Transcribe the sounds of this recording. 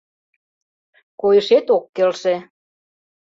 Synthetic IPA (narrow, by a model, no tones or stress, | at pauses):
kojʃet̪okːelʃe